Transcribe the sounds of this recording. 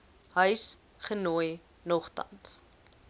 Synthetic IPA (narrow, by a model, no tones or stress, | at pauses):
ɦœɥs | χənuəj | nɔχtɐ̰ns